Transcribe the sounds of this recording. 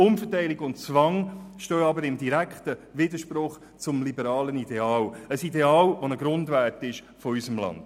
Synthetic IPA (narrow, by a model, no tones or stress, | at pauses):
ʊmfətæɪliɡʊntt͡sʋɑŋʃtøːɑbəɾɪmdiɾækχtəʋɪdəʃpɾʊχ | t͡sʊmlibəɾɑːlənidɛɑːləsidɛɑːlʋonəɡɾʊndʋætɪʃ | fɔysəmlɑ̰nd̥